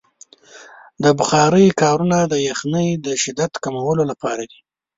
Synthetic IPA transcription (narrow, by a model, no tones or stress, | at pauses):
d̪əbʊxɑɾəjkɑɾunad̪əjaxnəjd̪əʃɪd̪at̪kamawəlolapɑɾad̪i